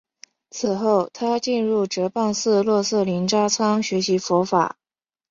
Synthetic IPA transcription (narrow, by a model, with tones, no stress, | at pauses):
t͡sʰɹ̩˨˩xo˥˩ʊt̪ʰa˥t͡ɕi˥˧nɻu˥˩ʈ͡ʂɤ˧˥pa˥˧nsɹ̩˥˧lwɔ˥˧sɤ˥˩li˧˥nʈ͡ʂa˥t͡sʰɑ˥ŋɕɥɛ˧˥ɕi˧˥fɔ˧˥fa̰˨˩˦